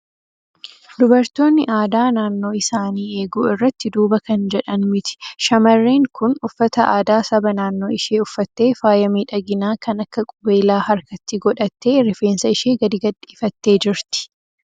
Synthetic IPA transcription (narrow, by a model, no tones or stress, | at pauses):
d̪ʊbɐɾt̪o̞ːnːɪʔaːd̪aːnaːnːo̞ːɪsaːniːe̞ːɡuːɪrːɐt̪ːɪd̪uːbɐkɐnd͡ʒɛᶑɐnmɪt̪ɪ̥ʃɐmɐrːiːŋkʊnʊfːɐt̪ɐʔa̰ːd̪aːsɐbɐnaːnːo̞ːɪʃeːʊfːɐt̪ːe̞ːfaːjɐmiːᶑɐɡɪnaːkɐnɐkːɐkʼʊbeːlaːhɐɾkɐt̪ːɪɡɔᶑɐt̪ːe̞ːɾɪfe̞ːnsɐɪʃeːɡɐd̪ɪɡɐd̪ːi̥ːfɐt̪ːe̞ːd͡ʒɪɾt̪ɪ̥